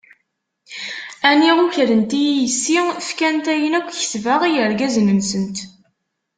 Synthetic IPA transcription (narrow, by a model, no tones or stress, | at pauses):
æniʁuçɾənt̪ijijəsːifkænt̪æjənækʷːçə̥θvəʁijəɾɡæznəmsənt̪